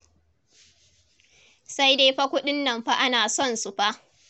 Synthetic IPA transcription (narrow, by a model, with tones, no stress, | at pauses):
sa˦jdeː˦ɸa˦kʷʊ˦ɗɪ˦nːɐ˨mɸa˦ʔa˦naː˨sɔ˦˨nsu˨ɸa˦ʔ